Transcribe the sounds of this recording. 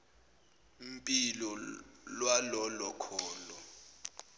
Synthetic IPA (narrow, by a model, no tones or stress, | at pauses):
m̩pʼilɔlwalɔlɔkʰɔːlɔ